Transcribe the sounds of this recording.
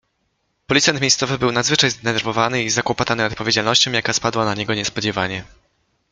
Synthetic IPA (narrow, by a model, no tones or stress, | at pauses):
pɔlʲit̪sɛnt̪mʲejst̪sɔvɘbɘwnad̪zvɘt͡ʂajzd̪ɛnɛɾvɔvanɘizakwɔpɔt̪anɘɔt̪̚pɔvʲjed͡ʑalnɔɕt͡ɕɔ̃w̃jakaspad̪wanaɲɛɡɔɲɛspɔd͡ʑɛvaɲɛ